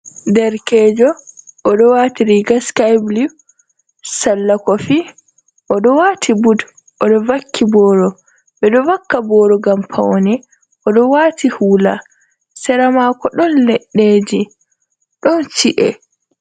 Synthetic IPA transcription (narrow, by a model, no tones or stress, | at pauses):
dɛɾkɛːd͡ʒɔʔɔɗɔwaːtiɾiɡaskajbli | salːakɔfi | ʔɔɗɔwaːtʰibud | ʔɔɗɔvakːibɔːɾɔ | ɓɛɗɔvakːabɔːɾɔɡampʰa̰wnɛ | ʔɔɗɔwatʰihuːla̰ | sɛɾamaːkɔɗɔnlɛɗːeːd͡ʒi | ɗɔnt͡ʃiʔɛ̰